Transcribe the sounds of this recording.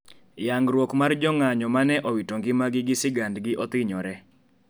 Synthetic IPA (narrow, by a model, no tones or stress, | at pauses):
jaŋɡɾwokmard͡ʒɔŋaɲɔmanɛʔɔwitoŋɡɪmaɡɪɡɪsɪɡandɡɪʔɔt̪ɪɲɔɾɛ